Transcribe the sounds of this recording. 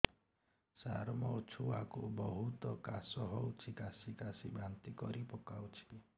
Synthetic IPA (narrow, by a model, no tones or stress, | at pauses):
sa̰ɾmɔot͡ʃʰuakṵbɔɦut̪ɔkasɔɦowt͡ʃʰikasikasibɾant̪ikɔɾipɔkawt͡ʃʰi̥